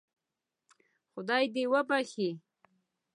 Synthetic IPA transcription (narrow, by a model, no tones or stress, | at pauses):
xʊd̪ɑjd̪ewəbaxi